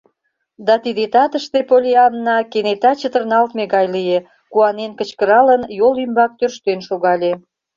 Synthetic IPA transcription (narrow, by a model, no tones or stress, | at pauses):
d̪ɑt̪id̪et̪ɑt̪əʃt̪epolʲiɑmnɑkenet̪ɑt͡ɕət̪ərnɑlt̪meɣɑjlije | kuɑnenkə̆t͡ɕkəɾɑlənjolymbɑk̚t̪ørʃt̪enʃoɣɑlʲe